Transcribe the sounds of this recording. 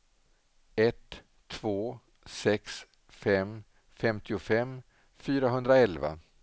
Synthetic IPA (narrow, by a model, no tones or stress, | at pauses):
ɛt̪ʰː | v̥oː | sɛks | fɛm | fɛmt̪ɪʊfɛm | fyːɾaɦɵnd̪ɾaɛlva̰